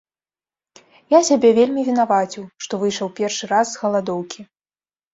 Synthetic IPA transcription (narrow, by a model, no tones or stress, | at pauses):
jasʲabʲɛvʲelʲmʲivʲin̪avat͡sʲiwʂt̪ɔvɨjʂɐwpʲɛrʂɨɾazːɣɐlˠad̪ɔwkʲi